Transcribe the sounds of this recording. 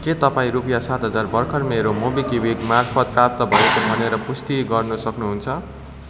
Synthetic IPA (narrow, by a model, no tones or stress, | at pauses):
ket̪ʌpaĩɾupjasat̪ɦʌd͡zarbʌrkʰʌrmeɾomobikibid̪marpʰʌt̪̚prap̚t̪ʌbʱʌekʌbʱʌneɾʌpust̪iɡʌrnusʌknuɦunt͡sʰʌ